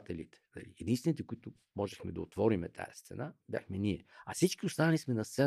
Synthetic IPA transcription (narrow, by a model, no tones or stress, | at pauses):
t̪ɛlit̪ɛ̥nɐ̰liɛd̪inst̪vɛnit̪ɛkʊit̪ʊ | mɔʒɛxmɛd̪ɐot̪vɔɾimɛt̪ʰa̰jɐst̪sɛ̰nabʲja̰xmɛniɛɐfsit͡ʃkiʊst̪anɐlismɛnɐst̪sɛ